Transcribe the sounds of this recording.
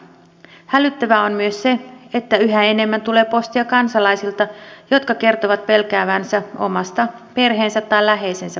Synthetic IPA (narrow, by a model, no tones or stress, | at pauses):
hælyt̪ːæʋæo̞mmyø̞sse̞et̪ːæyɦæene̞mːænt̪ule̞ːpo̞st̪iɑkɑnsɑlɑjsilt̪ɑjo̞t̪kɑke̞rt̪oʋɑt̪̚pe̞lkæːʋænsæo̞̰mɑst̪ɑpe̞rɦe̞ːnsæt̪ːɑjlæɦe̞jsensæ